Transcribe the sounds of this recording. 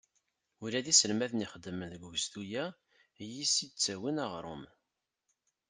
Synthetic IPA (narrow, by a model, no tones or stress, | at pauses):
ulæðisəlmæθəniχəd̪ːəmənðəɡuɡst̪ujæ | jisid̪̚t͡sːæwinɑʁɾˤo̰m